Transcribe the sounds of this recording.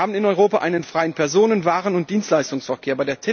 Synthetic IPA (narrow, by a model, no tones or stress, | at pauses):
aːbm̩ɪnɔʏʁoːpaʔaɪnənfʁ̥aɪənpʰɛɐzoːnənvaːʁənʊntd̥iːnstlaɪstʊŋsfɛɐkʰeːɐbaɪdeːɐtʰe